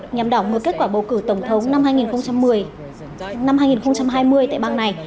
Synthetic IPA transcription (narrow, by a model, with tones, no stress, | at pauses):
ɲaː˨˩mɗaː˧˩wŋɨ˨˩əke˦˥t̚kwaː˧˩ɓə˨˩wkɨ˧˩t̪ə˧˩wŋ͡mt̪ʰə˨˦wŋ͡mna˧mhaː˧jŋi˨˩nxə˧wŋ͡mt͡ɕa˧mːɨ˨˩əj | na˧mhaː˧jŋi˨˩nxə˧wŋ͡mt͡ɕa˧mɦaː˧jmɨ˧əjt̪a̰ː˧˨jɓaː˧na˨˩j